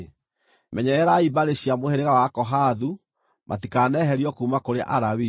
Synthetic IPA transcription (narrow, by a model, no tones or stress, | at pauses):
mɛɲɛɛɾaibaɾeɕiamoheɾeɣawakɔɦaðu | mʔa̰tikanɛɦɛɾiɔkuːmakoɾeʔaɾawi